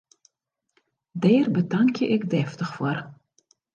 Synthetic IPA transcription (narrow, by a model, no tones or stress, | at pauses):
dɛːrbədaŋkjəʔɪkdɛːftəxfoːr